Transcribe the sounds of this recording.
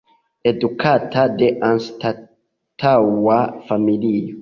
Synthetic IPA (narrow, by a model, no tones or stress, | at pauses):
ed̪ukʰat̪ad̪eʔãnst̪a | t̪ʰawwafamilijo